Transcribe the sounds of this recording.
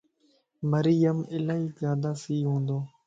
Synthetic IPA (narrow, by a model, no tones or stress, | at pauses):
məɾijəmɪlaːiːzjaːd̪aːsiːɦõːnd̪oː